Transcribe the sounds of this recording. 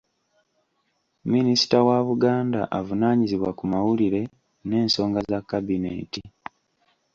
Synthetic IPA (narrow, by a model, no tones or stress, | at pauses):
minisi̥tawaβuɡaːnda̰ʔavunaːɲiziβwakumawuliɾe̞ | ne̞ːnso̞ːŋɡazakːabinḛːti